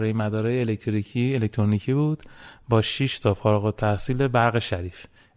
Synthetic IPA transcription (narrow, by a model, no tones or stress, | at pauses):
ɾɒjemæd̪ɒːɾɒːjeːlek̚t̪ʰɾiielekc̚t̪ʰɾonicʰiːbuːd̪bɒːʃiʃt̪ʰɒfɒːɾɒɣot̪ʰːæhsiːle̞bæɾɣeʃæɾiːf